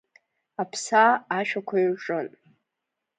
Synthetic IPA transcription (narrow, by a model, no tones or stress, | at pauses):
apʰsaːʃᶣakʷʰajʈ͡ʂʼɨn